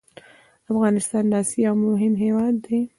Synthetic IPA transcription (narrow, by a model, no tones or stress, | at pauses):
afɣɑːnɪst̪ɑːnlɑsiawmʊɦɪmɦewɑd̪ːe